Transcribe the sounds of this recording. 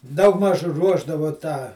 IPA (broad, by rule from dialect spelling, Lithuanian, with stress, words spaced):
ˈdɐʊɡˌmɐʃ ˈruɔʒdɐʋoː tɑː